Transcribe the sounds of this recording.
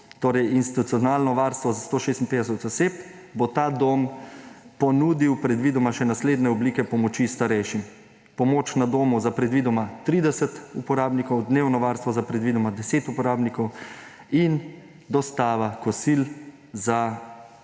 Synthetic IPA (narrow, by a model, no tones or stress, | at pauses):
t̪oːɾɛjinst̪i̥t̪ut̪sijɔnaːlnɔʋaːɾst̪ʋɔzast̪oːʃeːst̪inpeːd̪ɛs̬ɛt̪ɔseːp | bot̪aːd̪om | pɔnuːd̪iwpɾɛd̪ʋiːd̪ɔmaʃɛnasleːd̪nɛɔbliːkɛpɔmɔt͡ʃist̪aɾɛjʃim | pɔmoːt͡ʃnad̪oːmuzapɾɛd̪ʋiːd̪ɔmat̪ɾiːd̪ɛsɛt̪upɔɾaːbnikɔwd̪neːwnɔʋaːɾst̪ʋɔzapɾɛd̪ʋiːd̪ɔmad̪ɛseːt̪upɔɾaːbnikɔw | in | d̪ɔst̪aːʋakɔsil | za